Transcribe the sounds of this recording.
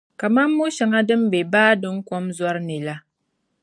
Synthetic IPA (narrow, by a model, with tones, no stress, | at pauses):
ka˨ma˦mːu˦ʃa˨ŋa˦dɨ˦m˦be˨baː˦dɨ˦ŋ˦kɔ˦mza˦ɾni˨la˦